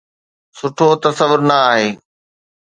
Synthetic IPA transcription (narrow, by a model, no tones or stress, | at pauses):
sʊʈʰot̪ɐsɐʋʊɾnɐaːɦeː